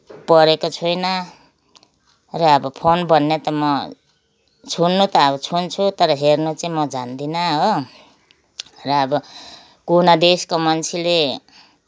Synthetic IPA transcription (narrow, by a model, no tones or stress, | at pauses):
pʌɾekot͡sʰujnʌ | rʌːbʌpʰonbʌnːet̪ʌmʌ | t͡sʰunːut̪ʌʌβʌt͡sʰunt͡sʰut̪ʌɾʌɦernut͡saĩmʌd͡zand̪inʌɦo | rʌːbʌ | kunad̪eskomʌnt͡sʰile